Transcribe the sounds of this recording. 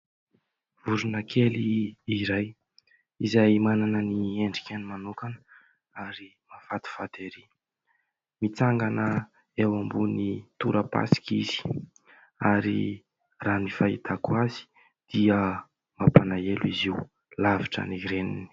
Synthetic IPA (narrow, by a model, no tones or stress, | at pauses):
vuɾunəkʰeliːɾaj | izajmananənieɳɖ͡ʐi̥kʲanimanukanə | aɾi | mafat̪i̥fat̪eɾi | mit͡saŋɡanə | ewambunit̪uɾəpa̰si̥kizi̥ | aɾḭ | raːnifait̪ʰakwazi̥ | d̪̥iə | mapanaeluiziw | laviʈ͡ʂə̰niɾenḭni̥